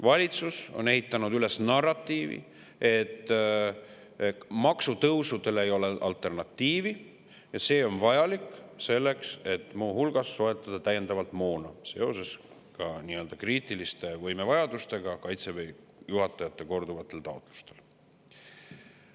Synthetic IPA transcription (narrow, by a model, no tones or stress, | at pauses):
vɑlʲit̪suso̞̰ne̞ɦit̪ːˑɑnud̪yle̞snɑrːɑt̪ːˑiːvḭ | e̞t̪ːˑ | mɑksut̪ɤwsud̪e̞le̞jo̞le̞ʔɑlt̪ːˑe̞rnɑt̪ːiːvi | jɑse̞ːo̞nvɑjɑlikse̞lːe̞kse̞t̪ːmuːɦulɡ̥ɑsːo̞e̞t̪ːˑɑd̪̥ɑt̪æjend̪ɑvɑlt̪mo̞ːnɑse̞o̞̰se̞s | kɑniːø̞ld̪̥ɑkriːt̪ˑilist̪e̞vɤjme̞vɑjɑd̪̥ust̪e̞ɡ̥ɑkɑjt̪se̞vej | juɦɑt̪ːˑɑjɑt̪ːˑe̞ko̞rd̪uvɑt̪ːˑe̞lt̪ɑot̪ːˑlu̥st̪e̞̥l